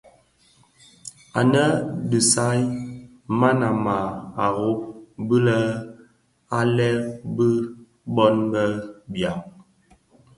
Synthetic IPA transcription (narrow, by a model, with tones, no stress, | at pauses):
a˨nə˦di˨sa˦j | ma˦na˨ma˨a˨ɣo˦bɨ˦lə˦ | a˦lɛ˦bə˦ | bɔ˦nɡə˦bja˨ŋ